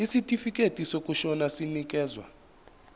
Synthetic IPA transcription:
isitʼifikʼetʼisokʼuʃɔnasinik̬ʼɛːzwa̰

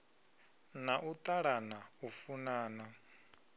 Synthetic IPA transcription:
naʔut̪ʼaɺanaufunaːna

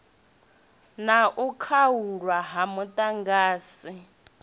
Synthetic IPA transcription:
naʔukʰawuɺwaɦamutʼaŋɡaːsi

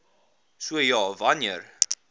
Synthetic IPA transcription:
suəjɑːvɐniər

